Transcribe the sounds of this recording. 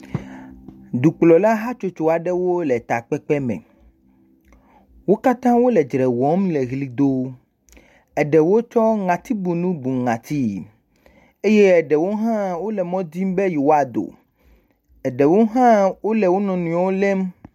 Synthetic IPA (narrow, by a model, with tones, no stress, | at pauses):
d̪u˨k͡plɔ˨la˦ɦa˦t͡ʃo˦t͡ʃo˨a˨ɖɛ˦wo˦lɛ˨t̪a˨k͡pɛ˦k͡pɛ˦mɛ̰̃˨ | wo˦ka˦t̪ã˦wo˦lɛ˨d͡ʒɾɛ˨wɔ̃˨˦mlɛ˨ɣli˦d̪o˦ | ɛ˨ɖɛ˨wo˦t͡ʃɔ˦ŋã˨t̪i˦bu˨nũ˦bu˨ŋã˨t̪i˦ | e˦je˦ɛ˨ɖɛ˨wo˦ɦã˦wo˦lɛ˨mɔ̃˦d̪i˦mbɛ˦ji˨wo˦a˨d̪o̰˨ | ɛ˨ɖɛ˨wo˦ɦã˦wo˦lɛ˨wo˦nɔ̃˨nũ˨wo˦lɛ˦m